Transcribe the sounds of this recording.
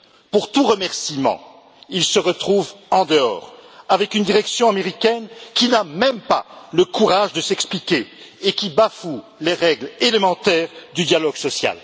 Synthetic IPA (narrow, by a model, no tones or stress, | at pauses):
puʁt̪uʁəmɛʁsimɑ̰̃ | ilsəʁət̪χuvɑ̃d̪əɔ̰ːʁavɛkynd̪iʁɛksjɔ̃ameʁikʲɛnkʲinamɛmpa̰ləkuʁaʒd̪əsɛksplikʲeekʲibafu | leʁɛɡlelemɑ̃t̪ɛʁd̪yd̪jalɔɡsɔsja̰l